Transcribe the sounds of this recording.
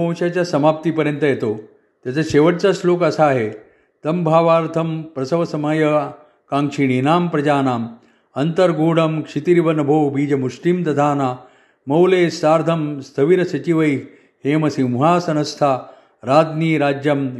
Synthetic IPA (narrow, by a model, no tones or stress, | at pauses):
õw̃ɕjaːt͡ɕjaːsɐmaːp̚t̪iːpɐɾjənt̪əjet̪o | t̪jat͡saɕeːʋɐʈ̚t͡sasloːkɐsaːɦe | t̪ɐmbʱaːʋaːɾt̪ʰɐmpɾɐsɐʋɐsɐmajɐ | kãːŋkʂiɳ̃iːnaːmpɾɐd͡ʒaːnaːm | ɐnt̪ɐɾɡoːɽɐmkʂit̪iɾiʋɐnɐbʱowbiːd͡ʑɐmuslimt̪ɐd̪ʱaːnaː | mɐwleːsaːɾd̪ʱɐmst̪ʰɐʋiɾɐsɐt͡ɕiʋɐj | heːmɐsimuɦaːsɐnɐst̪ʰaː | ɾaːd̪niːɾaːd͡ʑjɐm